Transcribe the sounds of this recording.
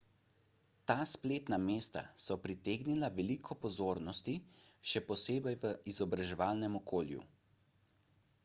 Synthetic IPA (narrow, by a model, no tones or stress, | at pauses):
t̪aːspleːt̪nameːst̪a̰sɔpɾit̪eːɡnilaʋɛlikʰɔpɔzoːɾnɔst̪iʃɛpɔseːbɛjʋəizɔbɾaʒɛʋaːlnɛmɔkʰoːljṵ